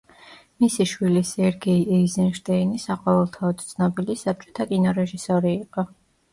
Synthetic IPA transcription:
misiʃwilisɛɾɡɛiɛizɛnʃt̪ʼɛinisaqʼɔvɛlˠt̪ʰaɔd̪t̪sʰnɔbilisap̚t͡ʃʼɔ̥t̪ʰakʼinɔɾɛʒisɔɾiːqʼɔ

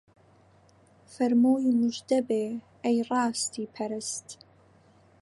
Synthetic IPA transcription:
fɐrmowimɨʒʷdɐbe | ajraːstʰipʰɐɾɨstʼ

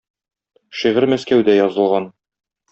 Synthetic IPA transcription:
ʃiʁɘɾmæskæwd̪æjɒzɤ̆lˠʁɑn

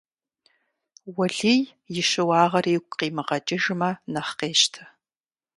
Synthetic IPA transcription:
wɐɮij | jɪʃɨwɑːʁɐreːɡʷʼqiːmɨʁɐt͡ʃʼɪʒmɐnɐχqeːʃtʰɐ̥

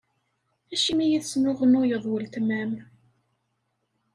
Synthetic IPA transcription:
æʃimijiθsnʊʁənʊjəðˤwəlt̪mæm

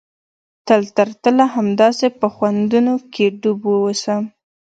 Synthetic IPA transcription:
t̪əlt̪aɾt̪əlaɦamd̪ɑsepəxwand̪unokeɖubwəwəsəm

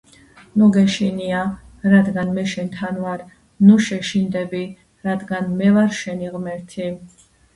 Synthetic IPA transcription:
nuɡɛʃinia | ɾad̪ɡanmɛʃɛnt̪ʰanvaɾ | nuʃɛʃind̪ɛbi | ɾad̪ɡanmɛvaɾʃɛniʁmɛɾt̪ʰi

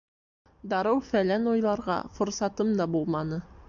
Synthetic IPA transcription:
d̪ɑɾɤwfælænujlˠɑɾʁɑ̰fŏɾsɑt̪ɤmd̪ɑbulˠmɑnɤ

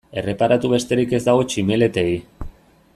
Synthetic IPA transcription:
e̞re̞paɾat̪uβe̞st̪e̞ɾike̞zd̪aɣ̞o̞t͡ʃime̞le̞t̪e̞i

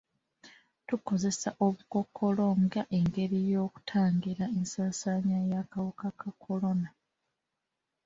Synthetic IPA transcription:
tuko̞ze̞saʔo̞βuko̞kʰːo̞lo̞ŋɡaʔe̞ŋɡe̞ɾijo̞ːku̥tʰaːŋɡiɾae̞nsaːsaːɲajakawukakakʰo̞lo̞na

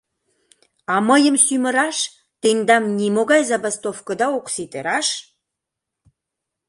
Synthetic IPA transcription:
ɑməjəmsymə̆ɾɑʃ | t̪end̪ɑmnimoɣɑjzɑbast̪ofkə̆d̪ɑoksit̪eɾɑʃ

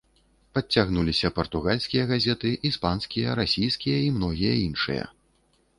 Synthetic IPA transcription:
pɐt͡sʲːaɣnulʲisʲɐpɐrt̪uɣalʲsʲkʲijɐɣazʲɛt̪ɨʔispanskʲijɐɾasʲijskʲijɐimnɔɣʲijɐ̰inʂɨ̰jɐ̰

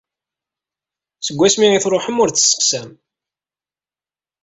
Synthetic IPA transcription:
səɡʷːæsmiiθɾˤoħəmʊɾt͡sːsːə̥qsæm

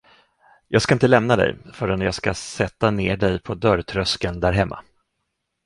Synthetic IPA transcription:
jɑːɡskaɪnt̪əlɛmnad̪ɛ̰jfœːɾɛnjɑːɡskasɛt̪ːaneːɖɛjpʰɔd̪œɾt̪ʰɾœskənd̪æɾɦɛmːa̰

